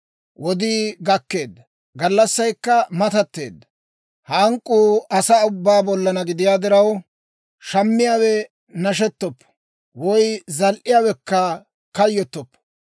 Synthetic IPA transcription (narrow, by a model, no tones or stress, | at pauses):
wʔɔd̪iːɡɐkːe̞ːd̪ːɐ | ɡɐlːɐsːɐjkːɐmɐt̪ɐt̪ːe̞̰ːd̪ːɐ̥ | hɐŋkʼːuːɐsaʊbːaːbɔlːɐnɐɡɪd̪ɪjaːd̪ɪɾɐw | ʃɐmːɪjaːwɛ | nɐʃ̬ɛt̪ːɔpːɔ̥ | wɔjzɐlʔɪjaːwɛkːɐ | kɐjːɔt̪ːɔpːɔ̥